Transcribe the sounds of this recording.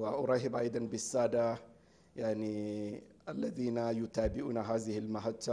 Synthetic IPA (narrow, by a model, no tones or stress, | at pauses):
waʔɑɾˤɑɦɪbʔɑjd̪ˤɑnbɪsːaːd̪a | jaʕni | ʔalːaðiːnajʊt̪aːbɪʔuːnaɦaːzɪhilmaɦaːa